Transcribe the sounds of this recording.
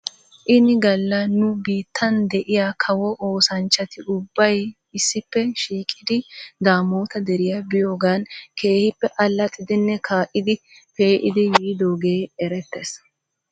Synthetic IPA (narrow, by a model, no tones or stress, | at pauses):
ʔɪnɪɡɐlːɐnʊbiːt̪ʰːɐnd̪ɛʔɪjaːkʰɐwɔʔoːsɐnt͡ʃːɐt̪ɪʊbːɐj | ɪsːɪpːɛʃiːkʼɪd̪ɪd̪aːmo̞ːt̪ɐd̪ɛɾɪjɐbɪjo̞ːɡaːnkʰe̞ːhɪpːɛʔɐlːɐt̪ʼːɪd̪ɪnːɛkʰaːʔɪd̪ɪ | peːʔɪd̪ɪjiːd̪o̞ːɡeːɛɾɛt̪ːes